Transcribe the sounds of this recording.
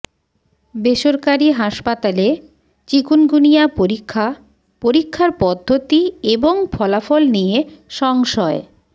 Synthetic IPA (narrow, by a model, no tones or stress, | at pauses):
beʃoɾkaɾiɦaʃpat̪ale | t͡ɕikunɡunijapoɾikʰːa | poɾikʰːaɾpɔd̪ʱːot̪ieboŋfʰɔlafolnijeʃɔŋʃɔe